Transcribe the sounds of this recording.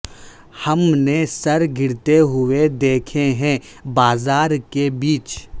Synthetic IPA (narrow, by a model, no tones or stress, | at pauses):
hɐmnesɐɾɡʱɪɾt̪eɦʊed̪eːkʰeɦɛ̃ | baːzaːɾkebiːt͡ʃ